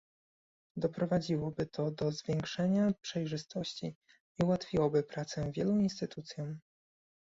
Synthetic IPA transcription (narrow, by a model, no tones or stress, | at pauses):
d̪ɔpɾɔvad͡ʑiwɔbɘt̪ʰɔd̪ɔzvʲjɛŋkʂɛɲapʂɛjʐɘst̪ɔɕt͡ɕḭ | iuwat̪fʲiwɔbɘpɾat̪sɛvʲjɛluinst̪ɘt̪ut̪sʲjɔ̃m